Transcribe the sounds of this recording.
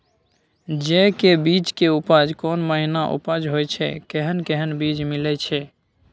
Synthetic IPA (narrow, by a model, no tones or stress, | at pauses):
d͡ʒekebit͡ʃkeupəd͡ʒkonməɦinaʔṵpad͡ʒɦojt͡ʃʰɛ̰keɦənkeɦənbid͡ʒmilɛt͡ʃʰɛ